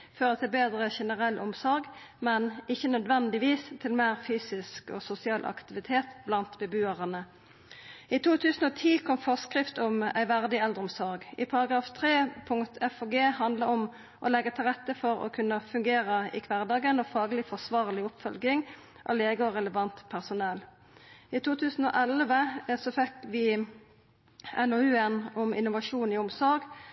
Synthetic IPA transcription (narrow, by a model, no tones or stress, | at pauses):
føːʁət̪ɪbeːd̪ʁəçɛnəʁɛlʔʊmsɔɾɡmɛnɪçənœd̪ʋɛnd̪ɪʋiːst̪ʰɪlmeːʁfyːsɪskɔ̰sʊsɪɑːlʔɑ̰kt̪ɪʋɪt̪ʰeːt̪blɑnt̪bɛbʉːɑʁənə | it̪ʰuːt̪ʰʉːsənoːt̪ʰiːkʰɔmfɔʁskʁɪft̪ʊmæ̰ɪʋæʁd̪ɪɛld̪əʁʊmsɔʁɡɪ̰pʰɑʁɑɡʁɑːft̪ʰʁeːpʰʊŋt̪ʰɛfoːɡeːhɑnd̪ləɔm | ʔɔlɛɡːət̪ʰɪlʁɛt̪ːəfɔɾɔ̰kʰʉnːəfʉŋɡeːʁəɪ̰kʰʋæʁd̪ɑːɡənɔfɑːɡəlɪfɔʁsʋɑːʁlɪʊpfœlɡɪŋ | ʔɔ̰leːɡəɔʁɛləʋɑnt̪pʰæʁsʊnɛl | ɪt̪ʰuːt̪ʰʉːsn̩o̰ːʔɛlʋəsɔfɛkʋɪ | ɛnɔʉːɛnɔmɪnʊʋɑʃuːnɪʊmsɔɾɡ